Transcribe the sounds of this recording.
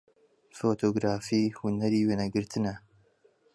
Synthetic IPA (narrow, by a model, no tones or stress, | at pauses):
foːt̪ʰoːɡɾaːfiːhunɛɾiːweːnɛɡɨɾt̪ʰɨnɛ